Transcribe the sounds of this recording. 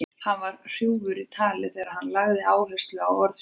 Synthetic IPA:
hanvaɾ̥r̥juwvʏɾɪt̪ʰaːlɪθɛːɾaðhanlaɣðɪaːwvɛst̪lʏawɔɾð

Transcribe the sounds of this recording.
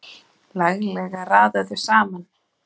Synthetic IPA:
laɣlɛɣaraːðaðɪ̥saːman

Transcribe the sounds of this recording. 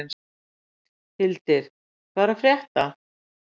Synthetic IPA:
n | hɪlt̪ɪɾ̥ | kʰvaːɾafɾjɛht̪a

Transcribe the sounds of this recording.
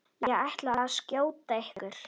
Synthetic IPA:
jɛɛɣajht̪laascjoːwt̪ehkʏɾ̥

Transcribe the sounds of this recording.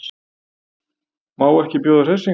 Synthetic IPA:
maːwɛhcɪpjɔːðʏɾ̥esi

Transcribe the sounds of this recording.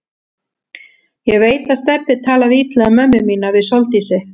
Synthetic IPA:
jɛɣveːjt̪aðst̪ɛpːɪt̪ʰaːlaðit̪lɛamœmːɪmiːnavɪðsolt̪isɪ

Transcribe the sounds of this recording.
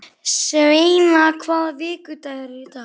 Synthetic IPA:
svejmakʰvaːðvɪːkʏt̪aɣɛɾvɪt̪a

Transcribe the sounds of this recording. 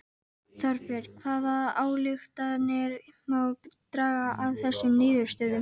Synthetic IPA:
θaɾfɛɾ̥kʰvaːðaaːwlɪxt̪aðnɛɾmawt̪ɾaːɣaʔavθɛsːʏmnɪːðʏɾ̥st̪œːðʏm

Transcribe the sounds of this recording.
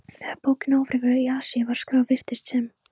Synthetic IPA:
θɛaɾpoːwcɪnoːwvɾɪvʏiaːsiavaɾ̥skɾaːwvɪr̥t̪ɪst̪sɛm

